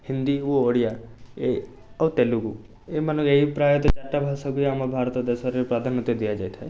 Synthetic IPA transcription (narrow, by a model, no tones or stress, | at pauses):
hɪnd̪iuoɽijae | ɐwt̪eluku | emanukeipɾajɔt̪ɔd͡ʒaʈːabʱasakujamabʱaɾt̪ɔd̪esɔɾepɾad̪ʱanɔt̪ːjod̪ijad͡ʒajt̪ʰae